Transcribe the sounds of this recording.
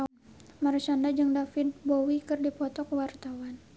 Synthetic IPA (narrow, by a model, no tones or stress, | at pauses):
maɾisandad͡ʒɨŋdafɪt̪̚bowikɨrdipɔt̪ɔkəwart̪awan